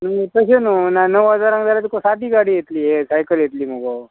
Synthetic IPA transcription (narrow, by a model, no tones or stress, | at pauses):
nəŋɡepəɕenunanəʋɦəd͡zaɾãŋɡd̪alat̪ikosad̪iːɡaɽiːjet̪liːɦesajkəljet̪liːm̤oɡo